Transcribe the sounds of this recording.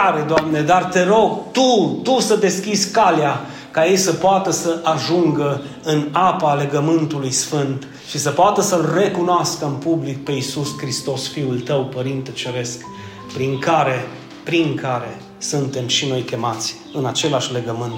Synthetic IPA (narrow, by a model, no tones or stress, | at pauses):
ɾe̞d̪oamne̞d̪art̪e̞ɾo̞ɡt̪ut̪usəd̪e̞skʲizʲkalja | kaje̞jsəpoat̪əsəʔaʒuŋɡə | ɨnapale̞ɡəmɨnt̪ulujsfɨnt̪ | ʃisəpoat̪əsəlre̞kunoaskəɨnpublik̚pe̞isuskɾist̪o̞sfiult̪əwpəɾint̪ət͡ʃe̞ɾe̞sk | pɾiŋkaɾe̞ | pɾiŋkaɾe̞ | sunt̪e̞mʃino̞jkʲe̞mat̪sʲ | ɨnat͡ʃe̞laʃʲle̞ɡəmɨnt̪